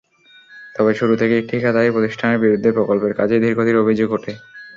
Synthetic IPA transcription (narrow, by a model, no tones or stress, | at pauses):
t̪ɔbeʃuɾut̪ʰekeek̚ʈʰikʰad̪aeɾpɾot̪iʃʈʰaneɾbiɾud̪ʱːepɾokolpeɾkad͡ʑed̪ʱiɾkod̪ʱiɾobʱid͡ʑoɡɦoʈʰe